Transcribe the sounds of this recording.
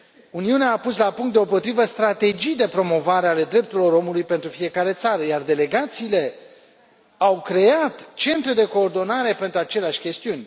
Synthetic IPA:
uniuneaːpuslapuŋkt̪d̪eo̞po̞t̪ɾivəst̪ɾat̪e̞d͡ʒijd̪e̞pɾo̞mo̞vaɾeale̞d̪ɾe̞p̚t̪uɾilo̞ɾo̞mulujpe̞nt̪ɾufie̞kaɾe̞t̪saɾəjard̪e̞le̞ɡat̪siːle̞ | awkɾe̞at̪t͡ʃe̞nt̪ɾed̪e̞ko̞ːrd̪o̞naɾe̞pe̞nt̪ɾuat͡ʃe̞leaʃʲkʲe̞st̪iunʲ

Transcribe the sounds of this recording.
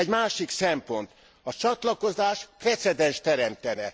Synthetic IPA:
ɛɟmaːʃiksɛmpo̞nt̪ | ɒt͡ʃɒt̪lɒko̞zaːʃprɛt̪sɛd̪ɛnʃt̪ɛɾɛmt̪ɛnɛ̰

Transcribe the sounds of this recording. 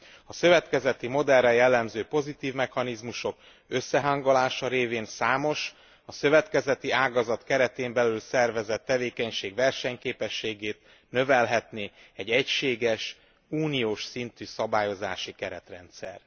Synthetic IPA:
ɒsø̞vɛt̪kɛzɛt̪imo̞d̪ɛrrɛjɛlːɛmzøːpo̞zit̪iːvmɛxɒnizmuʃo̞k | ø̞sːɛɦaŋɡolaːʃɒɾeːveːnsaːmo̞ʃ | ɒsøvɛt̪kɛzɛt̪iaːɡɒzɒt̪kɛɾɛt̪eːmbɛlylsɛrvɛzɛt̪ːɛveːkɛɲʃeːɡvɛrʃɛɲkeːpɛʃːeːɡeːt̪ | nø̞vɛlɦɛt̪neːɛɟɛcʃeːɡɛʃ | uːnioːʃsint̪yːsɒbaːjo̞zaːʃikɛɾɛt̪rɛnt̪sɛ̰r

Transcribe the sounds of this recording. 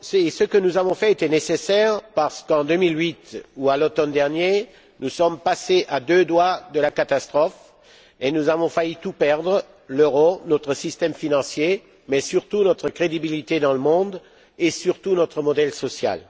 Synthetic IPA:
sesəkənuzavɔ̃fɛet̪ɛnesesɛʁpaʁsə̥kɑ̃d̪ømilɥit̪ualot̪ɔnd̪ɛʁnje | nusɔmpaseʔad̪ød̪wad̪əlakat̪ast̪χɔf | enuzavɔ̃fayt̪upɛʁd̪ʁə | løʁonɔt̪χəsist̪ɛmfinɑ̃sje | mɛsyʁt̪unɔt̪χəkχed̪ibilit̪ed̪ɑ̃ləmɔ̃d̪ | esyʁt̪unɔt̪χəmɔd̪ɛlsɔsja̰l

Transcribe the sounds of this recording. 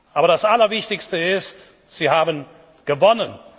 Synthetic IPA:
ʔaːbɐɾdasʔalɐvɪçtɪçstəɪst | z̥iːhaːbən | ɡ̥əvɔnən

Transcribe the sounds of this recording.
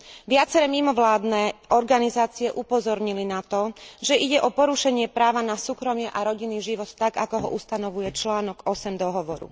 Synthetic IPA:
ʋɪat͡sɛɾɛːmimɔʋlaːd̪nɛʔɔɾɡanizaːt͡siɛʔupɔzɔɾɲilinat̪ɔʒɛʔiɟɛʔɔpɔɾuʃɛɲɪɛpɾaːʋanasuːkɾɔmɪɛʔaɾɔɟinːiːʒiʋɔt̪ːaɡakɔɦɔ̰ʔust̪anɔʋujɛt͡ʃlaːnɔɡɔsɛmd̪ɔɦɔʋɔɾṵ

